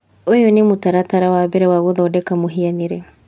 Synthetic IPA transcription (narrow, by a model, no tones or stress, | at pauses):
ojonemutaɾataɾawaβɛɾɛwaɣoðaɔdɛkamoɦianeɾɛ